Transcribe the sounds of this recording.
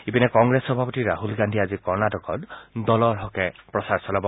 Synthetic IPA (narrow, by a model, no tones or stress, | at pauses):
ipinɛkɔŋɡɹesɔbʱapɔtiɹaɦulɡandʱiazikɔɹnadɔkɔtdɔlɔɹɦɔkɛpɹɔsaɹsɔlabɔ